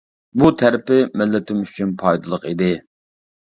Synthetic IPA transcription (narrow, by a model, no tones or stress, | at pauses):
but̪ʰæɾɪpɪmɪlːɪt̪ʰɪmyt͡ʃʰynpʰɑjd̪ɨlˠəqid̪ɪ